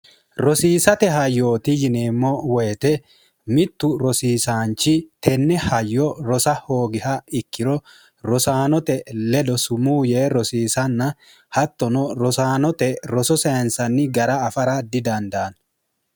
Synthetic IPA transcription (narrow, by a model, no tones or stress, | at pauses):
ɾɔsiːsɐt̪ɛɦɐjːo̞ːt̪ɪjɪneːmːɔwɛjt̪ɛ | mɪt̪ːʊɾɔsiːsaːnt͡ʃːɪt̪ɛnːɛhɐjːɔɾɔsɐhoːɡɪhɐɪkːɪɾɔ | ɾɔsaːnɔt̪ɛlɛd̪ɔsʊmuːjeːɾɔsiːsɐnːɐ | hɐt̪ːɔnɔɾɔsaːnɔt̪ɛɾɔsɔsɐɐnsɐnːɪɡɐɾɐːfɐɾɐd̪ɪd̪ɐnd̪ɐːn